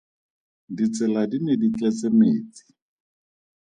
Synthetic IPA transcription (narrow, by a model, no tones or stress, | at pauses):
dit͡sɛladinedit͡ɬɛt͡semeːt͡sʼi̥